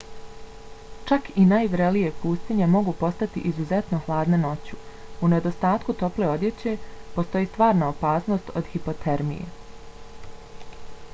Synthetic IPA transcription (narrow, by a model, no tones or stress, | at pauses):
t͡ʃakinaːjʋɾelijepuːst̪iɲemo̞ɡupo̞st̪at̪ḭʔizuzet̪no̞xlˠaːd̪neno̞t͡ɕuune̞d̪o̞st̪aːt̪kut̪o̞ple̞ːo̞d̪je̞t͡ɕe̞po̞st̪o̞jiːst̪ʋaːɾnaopaːsno̞ːst̪o̞d̪hipo̞t̪ʰeɾmḭjḛ